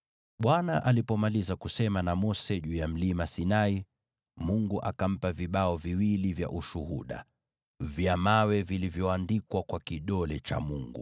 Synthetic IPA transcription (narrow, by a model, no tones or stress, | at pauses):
ɓwanaʔalipɔmalizakusɛmanamɔsɛʄujam̩limasinai | muŋɡuʔakam̩paviɓaɔviwilivja̰ʔuʃuhuɗa̰ | vjamawɛvilivjɔandikwakwakiɗɔlɛt͡ʃa̰muŋɡṵ